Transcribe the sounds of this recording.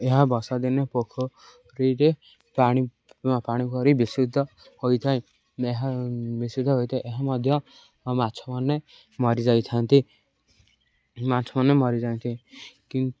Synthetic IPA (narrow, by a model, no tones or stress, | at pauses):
eɦabɔsad̪inepokʰɔ | ɾiɾe | paɽ̃i | paɽ̃ikɔɾibisid̪ʱːɔ | hojt̪ʰaj | eɦabisid̪ʱɔɦojt̪ʰajʔeɦamɔd̪ʱjɔ | mat͡ʃʰɔmɔne | mɔɾid͡ʒajt̪ʰant̪i | mat͡ʃʰɔmɔnemɔɾid͡ʒant̪ʰiki